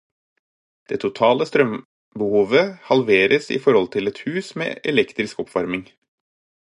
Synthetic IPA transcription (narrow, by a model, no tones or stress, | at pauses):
d̪̥eːt̪ʰʊt̪ʰɑːləst̪ɾœm | bəhuːʋəhɑlʋeːɾʔəsɪ̰fɔɾhɔlt̪ʰɪlɛt̪hʉːsmḛːʔɛlɛkt̪ɾɪskɔpʰʋɑɾmɪŋ